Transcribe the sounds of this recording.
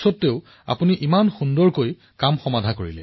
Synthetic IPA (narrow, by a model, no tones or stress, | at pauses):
sɔtːeʊ | a̰puniʔimanxundɔɹkoj | kamxɔmadʱakoɹḭlɛ̰